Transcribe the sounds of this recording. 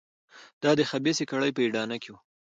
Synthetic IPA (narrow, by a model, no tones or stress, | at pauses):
d̪̥ɑd̪əxabesekaɽajpəiɖɑnakewu